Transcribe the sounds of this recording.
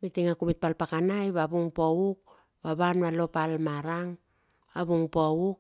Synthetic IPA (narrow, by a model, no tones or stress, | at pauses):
mitiŋakumit̚palpakanajβabuŋpowuk̚ | baβanualo̞palmaɾaŋ | aβuŋpowuk̚